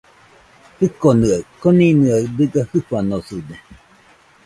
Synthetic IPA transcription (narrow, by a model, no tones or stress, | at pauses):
hɨkonɯakoninɨad̪ɨɡahɯɸanosude